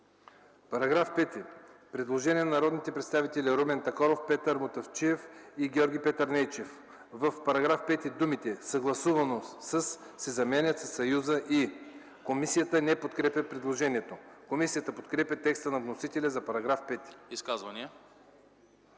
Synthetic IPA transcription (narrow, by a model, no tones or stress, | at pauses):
pɐɾɐɡɾafpɛt̪ipɾɛd̪lˠoʒɛniɛnnɐɾɔd̪nit̪ɛpɾɛt̪st̪avit̪ɛlʲiɾobɛnt̪ɐkɔɾofpɛt̪əɾmot̪ɐft͡ʃiɛfiɡʲɛɔɾɡʲipɛt̪əɾnɛjt͡ʃɛf | vəfpɐɾɐɡɾafpɛt̪id̪umit̪ɛsɐɡlˠɐsuvɐnosəsː | ɛzɐmɛnʲɐt̪sɐsːɐjuzəʔi | komisijət̪ənɛpot̪kɾɛpʲɐpɾɛd̪lˠoʒɛniɛt̪okomisijət̪əpot̪kɾɛpʲɐt̪ɛkst̪ənɐvnosit̪ɛlʲɛzɐpɐɾɐɡɾafpɛt̪i̥iskazvɐniə